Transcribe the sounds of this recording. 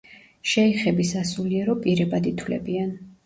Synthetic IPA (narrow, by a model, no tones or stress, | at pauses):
ʃɛiχɛbisasuliɛɾɔpʼiɾɛbad̪it̪ʰwlɛ̰bian